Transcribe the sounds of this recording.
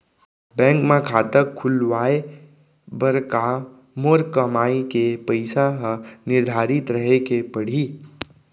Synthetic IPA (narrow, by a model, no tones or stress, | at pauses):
bɛ̃ːŋkmẽkʰaːt̪əkʰːʊlʋaːe | bəɾka | moɾkɐmaːikepəɪsaɦnɪɾd̪ʱaːɾɪt̪ɾəɦekepɐɽ̤iː